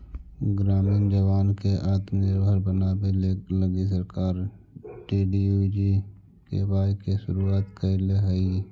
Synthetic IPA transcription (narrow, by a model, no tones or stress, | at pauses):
ɡɾaːmind͡ʒəwaːnkeʔaːt̪meɾbʱəɾbənaːbeləɡis̬əɾkaːɾ | ʈiːɖiud͡ʒi | kḛbaːjkeʃʊɾuaːt̪kəleɦəi